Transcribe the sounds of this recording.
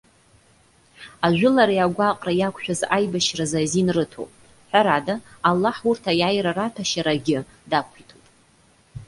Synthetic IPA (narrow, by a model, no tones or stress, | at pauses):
aʒʷᶣʊlaɾajaɡʷaqʼrajakʷʰʼʃᶣazajbaʃrazazinrɨtʰo̰pʼ | ħʷaɾadaalːaħurtʰajajɾaratʰaʃaɾaɡʲɪ | dakʷʰitʰupʼ